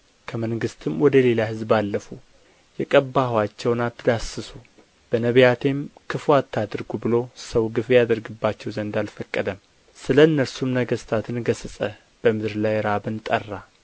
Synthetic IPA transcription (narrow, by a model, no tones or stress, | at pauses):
kʰəməŋɡɨst̪ʰɨmwɔd̪əle̞laɦɨzbalːəfu | jɛkʼəbːahwat͡ʃːɛwnat̪ʰːɨd̪asɨsu | b̥ənəβjat̪ʰe̞mkʰɨfat̪ːad̪ɨɾɡubɨlo̞səwɡɨfejad̪əɾɡɨbːat͡ʃːɛwzənd̪alfəkʼːəd̪əm | sɨləɨnːəɾsumnəɡəst̪ʰat̪ʰɨnɡəsɨsʼə | b̥əmɨd̪ɨɾlajɾabɨnt̪ʼərːa